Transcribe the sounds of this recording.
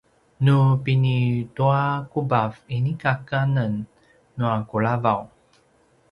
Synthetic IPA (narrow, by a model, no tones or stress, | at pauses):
nupinituakubavinikakanənː | uakuɭavaw